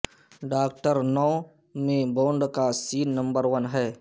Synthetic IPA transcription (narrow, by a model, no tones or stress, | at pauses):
ɖaːk̚ʈəɾnɔː | mẽbõːɳɖkasiːnːə̃mbəɾʋənɦɛː